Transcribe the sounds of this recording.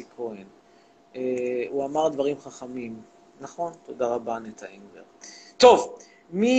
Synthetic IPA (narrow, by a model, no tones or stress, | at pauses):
ikʰoen | euamaʁd̪vaʁimχaχamim | naχo̞nt̪o̞d̪aʁabanet̪ainvḛʁt̪o̞v | mi